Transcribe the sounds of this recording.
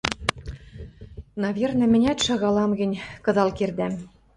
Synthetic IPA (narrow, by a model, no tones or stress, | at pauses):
nɑβʲernɘ̆mɘ̆nʲæt̪ʃɑɣɑlɑmɡɘ̆nʲkɤ̆d̪ɑlkerd̪æm